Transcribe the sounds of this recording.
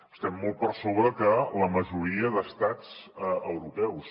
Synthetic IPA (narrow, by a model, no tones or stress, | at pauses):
əst̪ɛmːɔl̚ˠpərsoβɾəkələməʒuɾiəðəst̪ad͡zəwɾupɛws